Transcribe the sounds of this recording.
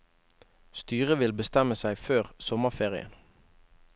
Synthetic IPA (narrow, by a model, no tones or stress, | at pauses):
st̪yːʁəʋɪlbəst̪ɛməsæɪføːʁsɔməfeːʁɪ̰ə̰n